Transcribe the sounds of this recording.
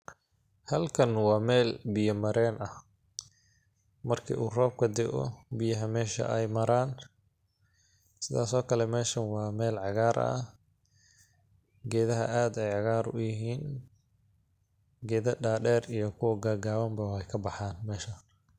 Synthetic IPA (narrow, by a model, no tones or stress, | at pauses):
hɐlkʰɐnwɑːmɛːlbɪjɐmɐɾɛːnʔɐh | mɐrkʰḭːʔuːrɔːb̚kʰɐd̪ɪɡɔ̰bɪjɐɦɐmɛːʃɐ̰ʔɛjmɐɾaːn | sɪðaːsɔːkʰɐlɛmɛːʃɐnwɑːmɛːlʕɑɣaːɾɐ̰ | ɡɛːðɐɦɐ̰ʔaːd̪ɛjʕɑɣaːɾʊ̰jɪɦiːn | ɡɛːðɐɖaːɖɛːrijɞkʰʊwɐɡaːɡaːβɐmbɐwħɛjkʰɐbɑħaːnmɛːʃɐ